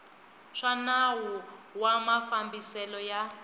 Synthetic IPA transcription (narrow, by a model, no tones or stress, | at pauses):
ʂanawuwamafambisɛlɔja